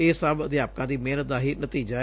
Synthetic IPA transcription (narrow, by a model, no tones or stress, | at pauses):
eːsəbəd̪ɪjaːp̚kãːd̪iːmeːnət̪̚d̪aːɦiːnət̪iːd͡ʒaː